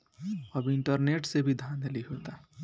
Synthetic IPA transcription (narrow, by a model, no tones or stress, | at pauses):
əbɪɳʈəɾneʈsebʱid̪ʱand̪liɦot̪a